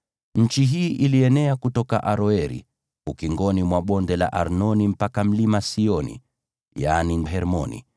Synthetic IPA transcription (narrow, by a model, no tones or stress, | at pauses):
ɲ̩t͡ʃiɦiːʔiliɛnɛakutɔkaʔaɾɔɛɾḭ | ukiŋɡɔnimwaɓɔndɛla̰ʔaɾnɔnim̩pakam̩limasiɔnḭ | janiɛɾmɔ̰nḭ